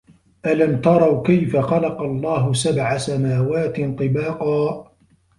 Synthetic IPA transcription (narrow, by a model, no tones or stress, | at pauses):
ʔalamt̪ɑɾˤɑwkajfaxɑlɑqɑlˤːɑːɦʊsabʕasamaːwaːt̪ɪnt̪ˤɨbɑːqɑː